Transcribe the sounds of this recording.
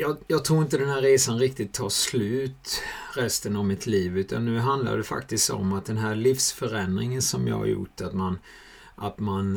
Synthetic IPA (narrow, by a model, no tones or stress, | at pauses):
jɑːjɑːɡ̚t̪ʰɾuːɾɪnt̪əd̪ɛnɦæːɾːeːsanɾɪk̚t̪ɪt̪ʰːɑːʂlʉ̟ːt̪ɾɛst̪ənavmɪt̪ʰliːvʉ̟ːt̪ʰa̰nːʉ̟ːɦand̪la̰ɖɛfa̰kt̪ɪskt̪ɔ̰mːat̪̚d̪ɛnɦæːɾliːfsfœɾɛnd̪ɾɪŋənsɔmjɑ̰ːha̰ɾjʊ̰ʈːat̪man | ʔat̪man